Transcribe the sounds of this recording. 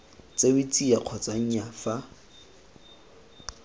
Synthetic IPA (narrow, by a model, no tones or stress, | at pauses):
t͡sʼebit͡sʼiaq͡χʰɔt͡saŋ̩jafa